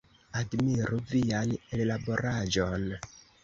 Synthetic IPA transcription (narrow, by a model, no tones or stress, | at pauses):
admiɾuvijanellaboɾaʒon